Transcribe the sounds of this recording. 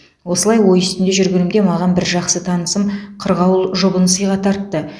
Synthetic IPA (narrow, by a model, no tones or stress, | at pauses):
wo̞səlˠɑjwo̞jʏst̪ɪnd̪eʒʏɾɡʲɪɾɪmd̪e̞mɑʁɑnbɪɾʒɑqsət̪ʰɑnəsəmqʰəɾʁɑwlˠʒo̞bənəsəjʁɑt̪ʰɑɾt̪ːə